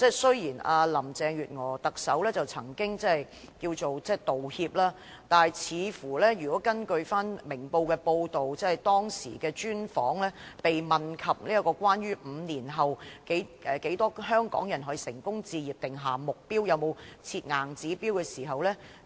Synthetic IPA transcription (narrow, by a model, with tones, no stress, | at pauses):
t͡sɛː˥˩sɵ˥ɥjiː˨˩naː˧lɐ˨˩mt͡sɛː˨ŋɥyː˨t̚ŋɔː˨˩t̪ɐ˨k̚sɐ˨˥wlɛː˥t͡sɐ˨wt͡sʰɐ˨˩ŋkɪ˥ŋt͡sɛ˥hɐ˨j | kiː˧wt͡so˨wt͡sɛː˥˩t̪o˨whiː˧p̚laː˥ | t̪aː˨nɐ˨jt͡sʰiː˨˧fuː˨˩lɛː˥jyː˨˩kɔː˨˥kɐ˥nkɵ˧ɥfaː˥nmɪ˨˩ŋpo˧wkɛː˧po˧wt̪o˨wt͡sɛː˥˨jt̪ɔː˥ŋsḭː˨˩kɛː˧t͡ʃyː˥nfɔː˨˥ŋlɛː˥pe˨jmɐ˨nkʰɐ˨p̚liː˥ɐ˥kɔː˧kʷwaː˥njyː˥m̩ː˨˧niː˨˩nɦɐ˨wke˨˥jʔɛː˨ke˨˥jt̪ɔː˥hœː˥ŋkɔ̰ː˨˥ŋjɐ˨˩nɦɔ˨˥ji˧sɪ˨˩ŋkʊ˥ŋt͡siː˧jiː˨p̚t̪ɪ˨ŋɦaː˨mʊ˨k̚piː˥wjɐ˨˧wmo˨˧wt͡sʰiː˧t̚ŋaː˨˩ŋt͡siː˨˥piː˥wkɛː˧siː˨˩ɦɐ˨wlɛː˥